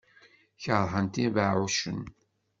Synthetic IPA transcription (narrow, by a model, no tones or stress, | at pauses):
çəɾˤɦənt̪ivəʕʕuʃə̰n